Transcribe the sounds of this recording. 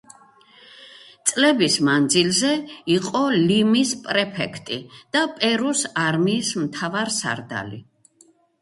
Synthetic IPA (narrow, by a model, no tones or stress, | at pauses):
t̪sʼlɛbismand̪zilzɛiqʼɔlimispʼɾɛpʰɛkʰt̪ʼid̪̥apʼɛɾusaɾmiːsmt̪ʰavaɾsa̰ɾd̪a̰lḭ